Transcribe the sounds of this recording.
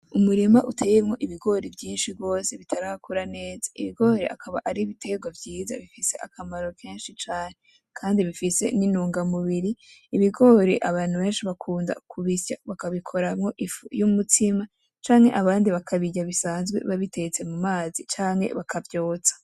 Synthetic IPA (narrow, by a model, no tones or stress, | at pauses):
umuɾimaʔute̞ːjemŋo̞ʔiβiɡo̞ːɾevjiːnʃiɡɡo̞ːse̞βitʰaɾahakʰuɾane̞ːzḁiβiɡo̞ːɾḛʔa̰kʰaβa̰ʔaɾiβitʰe̞ɡwavjiːza̰βifise̞akʰamaɾo̞kʰeːnʃit͡ʃaːne | kʰaːndiβifisḛninuːŋɡamuβiɾiːβiɡo̞ːɾeʔaβaːn̥huβe̞ːnʃiβakʰuːnda̰kʰuβisja̰βakaβikʰo̞ɾamŋo̞ʔifujumutʰima | t͡ʃaːŋhe̞ʔaβaːndiβakʰaβiɟaβisaːnzɡwe̞̰βaβitet͡se̞mumaːzit͡ʃaːŋhe̞̰βakʰavjo̞ːt͡sḁ